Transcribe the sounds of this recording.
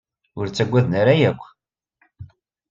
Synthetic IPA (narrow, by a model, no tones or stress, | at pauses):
ʊɾt͡sːæɡʷːæðnaɾajækʷː